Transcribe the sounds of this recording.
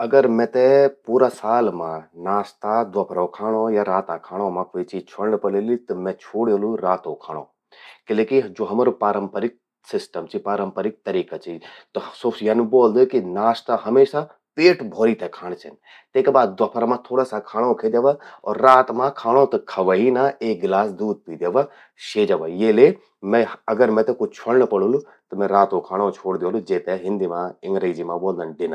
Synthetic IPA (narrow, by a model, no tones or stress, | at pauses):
ɐɡəɾmɛ̃t̪ɛpuːɾasaːlmãnaːst̪ad̪ʋɐpʰɾõkʰaːɽ̃ojaɾaːt̪akʰaːɽ̃õmãkoit͡ʃiːd͡ʒt͡ʃʰoɽɳpɐleːlit̪ɨmɛ̃t͡ʃʰoːɽjoluɾaːt̪õːkʰa̰ːɽ̃õ̰ː | kɪleːkid͡ʒoːɦɐmaːɾopaːɾəmpəɾɪk̚ | sɪsʈəmt͡ʃipaːɾəmpəɾɪk̚t̪ɐɾiːkat͡ʃit̪ɔsosjɐnboːld̪okinaːst̪aɦɐmeːʃa | peːʈbʱoːɾit̪ɛkʰaːɽ̃t͡ʃʰɐn | t̪eːkebaːd̪ːɐpʰəɾmãt̪ʰoːɽaːsakʰaːɽ̃õkʰeːd̪jeʋaɔ̰ːɾːaːt̪mãkʰaːɽ̃õt̪ɐkʰɐʋəɦinãeːk̚ɡlaːsd̪uːd̪̚piːd̪jeːʋa | ʃeːd͡ʒɐʋajeːle | mɛ̃ɐɡəɾmɛ̃t̪ekot͡ʃʰəɽɳəpɐɽũlu | t̪ɐmɛ̃ɾaːt̪õkʰaːɽ̃õt͡ʃʰoːɽd̪joːlud͡ʒeːt̪ɛɦɪ̃nd̪iːmãɪ̃ŋɡɾed͡ʒimãboːld̪ənɖɪna